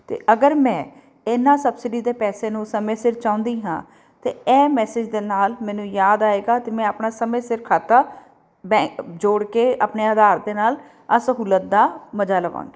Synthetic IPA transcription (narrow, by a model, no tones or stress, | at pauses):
t̪ḛːʔəɡəɾmɛ̃ː | ɪnãːsəbsɪɖiːd̪eːpɛːseːnũːsəmẽːsɪɾt͡ʃãːʊ̃nd̪iːɦã̰ː | t̪eːɛːmɛːsɪd͡ʒd̪eːnaːlmɛ̃ːnũːjaːd̪aːeːɡaːt̪eːmɛ̃ːəpnaːsəmẽːsɪɾkʰaːt̪aː | bɛ̃ːd͡ʒoːɽkeːaːpneːəd̪aːɾd̪eːnaːl | əsəɦuːlət̪̚d̪aːməd͡ʒaːləʋã̰ːŋɡiː